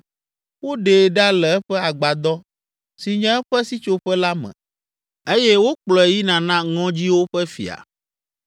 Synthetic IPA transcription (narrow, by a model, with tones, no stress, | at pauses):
wo˦ɖe˨ɖa˦lɛ˨ɛ˦ɸɛ˦a˨ɡ͡ba˨d̪ɔ˦ | si˨ɲɛ̃˦ɛ˦ɸɛ˦si˦t͡ʃo˦ɸɛ˦la˦mɛ̰̃˨ | e˦jɛ˦wo˦k͡plɔ˨ɛ˨ji˦nã˨nã˦ŋɔ̃˦d͡ʑi˦wo˦ɸɛ˦fḭ˨a̰˨